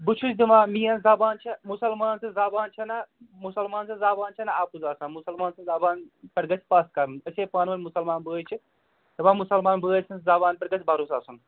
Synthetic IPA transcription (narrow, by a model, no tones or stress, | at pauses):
but͡ʃʰusd̪imãːmiːɐnzaːbaːnt͡ʃʰɐmʊsɐlmaːnsʰɐzaːbaːnt͡ʃʰɐnamusɐlmaːnsʰɐnzaːbaːnt͡ʃʰɐnaaːpuzaːsãːnmusɐlmaːnsɐzaːbaːnpɐɾɡɐt͡sʰʲpaːst̪̚kɐɾmɨnɐsʲeːpaːnʋɐnʲmʊsɐlmaːnbəːjt͡ʃʰi | t̪ɐmãːmusɐlmaːnbəːjsʰɐnzaːbaːnpɐɾɡɐt͡sʰʲbaɾusaːsun